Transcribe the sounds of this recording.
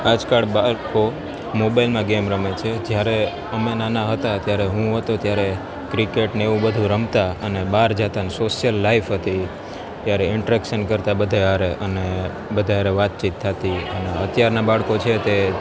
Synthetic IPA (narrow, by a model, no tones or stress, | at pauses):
ad͡ʒkaɭbaɭko | mobailmãɡemɾəmet͡ʃʰed͡ʒjaɾe | əmenanaɦət̪at̪jaɾeɦũɦət̪ot̪jaɾe | kɾikeʈneeʋũbəd̪ʱũɾəmt̪aənebaɾd͡ʒat̪anesoʃjəlːaifɦət̪i | t̪jaɾeɪɳʈəɾɛkʃənkəɾt̪abəd̪ʱaaɾeʔəne | bəd̪ʱaɾeʋat̪̚t͡ʃit̪ʰːat̪iəneət̪jaɾnabaɭkot͡ʃʰet̪e